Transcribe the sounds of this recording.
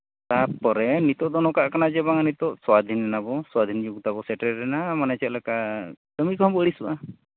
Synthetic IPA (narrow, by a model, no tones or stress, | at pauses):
t̪aɾpɔɾɛnit̪ɔʔd̪ɔnɔkaʔkanad͡ʒɛbaŋanit̪ɔʔswad̪ʱinːɛnabɔswad̪ʱind͡ʒuɡt̪abɔsɛʈɛːɛnamanɛt͡ʃɛʔlɛkat̪əmikɔɦɔmbɔəɽisuʔa